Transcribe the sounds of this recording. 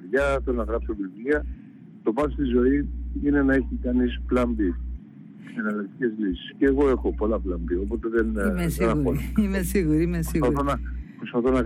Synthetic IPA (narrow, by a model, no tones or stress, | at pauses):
ɾʝɐt̪onɐɣɾɐpsovivliɐ | t̪o̞pɐst̪izo̞iine̞nɐe̞çikɐnisplɐmbi | senɐlɐk̚t̪ice̞zlisi̥sceːɣo̞e̞xo̞po̞lɐplɐmbio̞po̞t̪e̞ðenmesɾɐuoimesiɣuɾiimesiɣɐθonɐpɾost̪ɐθonɐ